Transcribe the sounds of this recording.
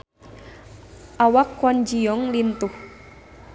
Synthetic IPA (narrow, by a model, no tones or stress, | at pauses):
ʔawakːɔnd͡ʒijɔŋlint̪uh